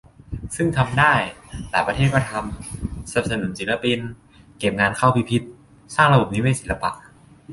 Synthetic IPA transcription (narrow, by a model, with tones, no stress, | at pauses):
sɯ˥˩ŋt̪ʰa˧mdaː˥˩jlaː˨˩˦jpɾa˧eː˥˩kɔː˥˩t̪ʰa˧msa˨˩p̚sa˧nu˨˩˦nsi˨˩t̚la˧pi˧n | ke˨˩p̚ŋaː˧nkʰa˥˩wpʰiː˧˩pʰi˦˥t̪̚ | saː˥˩ŋɾa˧bo˨˩p̚niː˦˥weː˧˥˩si˨˩la˧pa̰˨˩ʔ